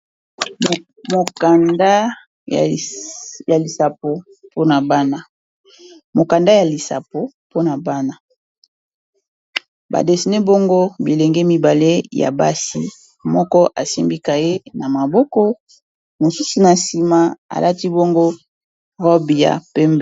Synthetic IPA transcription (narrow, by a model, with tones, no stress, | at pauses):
mo˨ka˨nda˦˨ | ja˨li˨sa˨p̚o˨ | po˦na˨ba˦na˦ | mo˨ka˨nda˦ja˨li˨sa̰˨po˨ | po˦na˨ba˦na˦ | ba̰˨de˨si˨ne˦bo˦ŋɡo˦bi˨le˨ŋɡe˦mi˨ba˨le˦ja̰˨ba˦si˦ | mɔ˦kɔ˦ʔa˨si˦mbi˦ka˨je˦na˨ma˨bo˦kɔ˦ | mo˨su˦su˨na˨si˨ma˨a̰˨lʔa˦ti˦bo˦ŋɡo˦ | ʁɔ˦bi˨ja̰˨pe˦mb